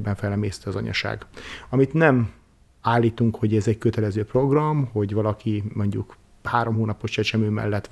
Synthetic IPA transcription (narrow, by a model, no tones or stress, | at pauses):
bɛɱfɛlːɛmeːst̪iɒzɒ̰ɲɒ̰ʃa̰ːɡɒmit̪nɛm | aːlːiːt̪uŋkho̞ɟɛzɛckøt̪ɛlɛzøːpro̞ɡrɒmho̞ɟʋɒlɒkimo̞ɲɟuk | haːɾo̞mɦoːnɒpo̞ʃt͡ʃɛt͡ʃɛmøːmɛ̰lːɛt̪